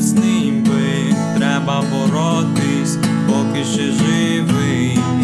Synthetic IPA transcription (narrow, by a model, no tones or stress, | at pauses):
znɪ | mbɪ | t̪ɾɛbɐbɔɾɔ | t̪ɪsʲpɔkɪʃɛʒɪ | ʋɪ